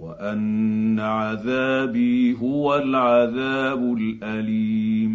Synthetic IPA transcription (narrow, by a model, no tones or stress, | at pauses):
waʔanːaʕaðaːbiːɦʊwalʕaðaːbʊlʔaliːm